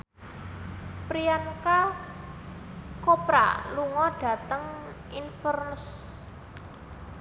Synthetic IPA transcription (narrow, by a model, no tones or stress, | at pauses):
pɾianka | kopɾa̰luŋɔɖ̥ä̤t̪əŋ | infərnəs